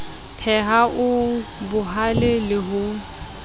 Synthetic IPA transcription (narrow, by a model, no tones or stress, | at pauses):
pʰɛɦaʔʊbʊɦalɪlɪɦʊ